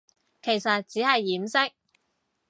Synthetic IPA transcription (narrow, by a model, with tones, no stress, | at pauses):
kʰe˨˩jsɐ˨t̚t͡siː˨˥hɐ˨jːiː˨˥msɪ˥k̚